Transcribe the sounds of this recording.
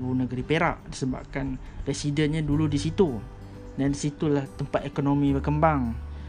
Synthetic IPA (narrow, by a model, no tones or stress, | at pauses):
bunəɡəɾipeɾa̰ʔdisəba̰p̚kan | ɾɛsidənɲaduludisit̪u | dansit̪ulaht̪əmpat̪ekonomĩbərkəmbaŋ